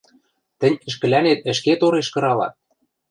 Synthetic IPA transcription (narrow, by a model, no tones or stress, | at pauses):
t̪ɘ̆nʲə̆ʃ̬kɘ̆lænet̪̚ə̆ʃket̪oɾeʃkɤ̆ɾɑlɑ̰t̪̚